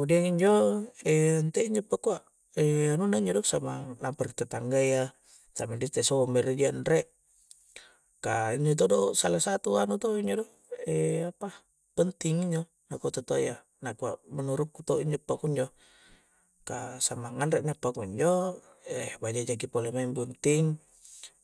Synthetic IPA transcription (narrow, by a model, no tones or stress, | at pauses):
udiaŋiɲd͡ʒɔɛnt̪ɛiɲd͡ʒɔpːakuaʔ | ɛanunaiɲd͡ʒɔdɔsamalamparit̪at̪aŋɡaija | samadit̪ɛsɔmɛɾidianrɛʔ | kaiɲd͡ʒɔt̪̬ɔdɔsalasat̪uanut̪ɔiɲd͡ʒɔdɔ | ɛapa | pənt̪iŋiɲd͡ʒɔ | nakɔt̪at̪oja | nakuaʔmənuɾukːut̪oiɲd͡ʒɔpːakuiɲd͡ʒɔ | kasamaŋanɾɛʔnapːakuiɲd͡ʒɔ | ɛbad͡ʒad͡ʒaɡipolɛmaimpənt̪iŋ